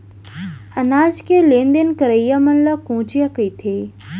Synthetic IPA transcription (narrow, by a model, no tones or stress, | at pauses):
ɐnaːd͡ʒkelẽːnd̪enkəɾəjamɐnlakũːt͡ɕijakəit̪ʰeː